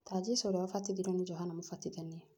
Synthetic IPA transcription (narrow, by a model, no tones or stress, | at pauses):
t̪aːd͡ʒisoɾɛafat̪ːid̪iɾɔnid͡ʒɔɦanamufat̪ːid̪ɛnːi